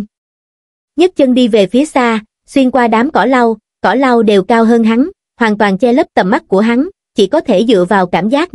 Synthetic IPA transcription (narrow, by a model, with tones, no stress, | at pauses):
ɲə˦˥t̚t͡ɕə˧ŋɗi˧ve˨˩fi˨˦əsaː˧ | swi˧ənkwaː˧ɗaː˨˦mkɔ˧˩la˧w | kɔ˧˩la˧wɗe˨˩wkaː˧wɦəː˧nɦa˨˦n | hwaː˨˩nt̪waː˨˩nt͡ɕɛ˧lə˦˥p̚t̪ə˨˩mːa˦˥t̚ku˧˩əɦa˨˦n | t͡ɕḭ˧˩kɔ˨˦t̪ʰe˧˩zɨ̰˧˨əvaː˨˩wkaː˧˩mzaː˦˥k̚